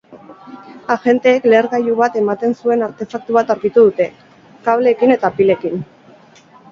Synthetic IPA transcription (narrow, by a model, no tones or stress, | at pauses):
aʝe̞nt̪e̞ːkle̞ːɾɣajuβat̪e̞mat̪e̞nsue̞naɾt̪e̞fak̚t̪uβ̞at̪awɾkit̪uðut̪e̞ | kaβle̞ːkine̞t̪apile̞kin